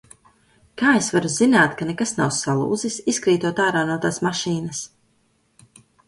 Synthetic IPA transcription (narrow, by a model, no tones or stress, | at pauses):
kaːesvaɾuzinaːt̪kanɛkasnawsalˠṵːzisiskɾiːt̪uɔt̪aːɾaːnuɔt̪aːsmaʃiːnɐs